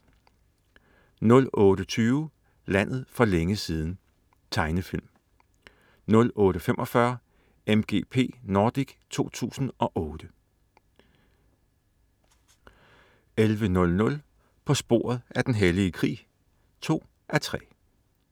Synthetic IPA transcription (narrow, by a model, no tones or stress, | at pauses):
nɔ̽lɔːɾ̥ət͡sʰyːʊ | læn̰ð̞̩ˠfɒ̽leŋəsiːð̞ˠn̩ | t͡sʰɑ̈ɪnəfil̰m | nɔ̽lɔ̽ːɾ̥əfemʔɒ̽fɶɐ | emɡ̥e̝̰ːpʰe̝̰ːnoːd̥iɡ̥t͡sʰo̝̰ːt͡sʰṵːsn̩ʔɒ̽ʔɔːd̥ə | elʋənɔ̽lnɔ̽l | pʰɒ̽sb̥o̝̰ɐ̰ð̞̩ˠæɐd̥enɦeliəkʰʁḭː | t͡sʰo̝̰ː | ʔæɐt͡sʰʁɛ̰